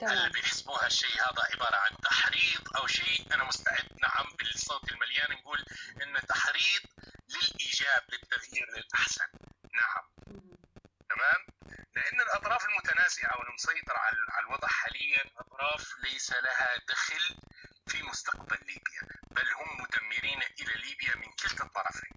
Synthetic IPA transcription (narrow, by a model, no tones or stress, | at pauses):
ʔalːabɪjɪħɪ̥sbuːhaʃːeːhaːða̰ʕɪbɑːɾˤɑʕant̪ːaħɾiːt̪ˤʔawʃeːʔanamʊst̪aʕɪd̪̚ːna̰ʕambɪlsˤoːt̪ɪlmaljaːnnɡuːlʔɪnːat̪ːaħɾiːt̪̚ˤlɪlʔiːd͡ʒaːblɪt̪ːaɣjiːɾɪlʔaħsa̰nːaʕa̰m | t̪amaːmlɪʔanːalʔɑt̪ˤɾˤɑːfalmʊt̪anaːzɪʔawɪlmʊsˤɑjt̪ˤɨɾʕa̰ʕalalwɑd̪ˤħaːlɪjːalʔɑt̪ˤɾˤɑːflajsalaɦad̪axɪlfimʊst̪aqbalːiːbja̰b̥alːhʊmːʊd̪amːɪɾiːnʔɪlaliːbjamɪnkɪlt̪ɑt̪ˤːɑɾˤɑfḭːn